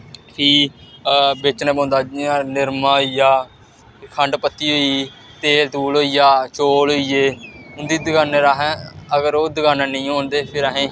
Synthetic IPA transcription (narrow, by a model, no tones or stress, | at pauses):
pʰiː | bet͡ʃnẽːbõːnd̪aːanɪɾmãːijaː | kʰəɳɖpət̪ːiːɦoːiː | t̪eːlt̪uːloːijaːt͡ʃoːlɦoːiːeːʊnd̪iːd̪əɡaːneɾaːɦɛ̃əɡəɾoːd̪əɡaːnãːnĩːɦõːnd̪eːpʰɪɾaɦẽː